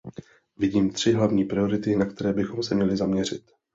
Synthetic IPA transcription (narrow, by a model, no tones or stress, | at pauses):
vɪɟiːmt̪r̝̥ɪɦlavɲiːpɾɪjo̞ɾɪt̪ɪnakt̪ɛɾɛːbɪxo̞msɛmɲɛlɪzamɲɛrɪt̪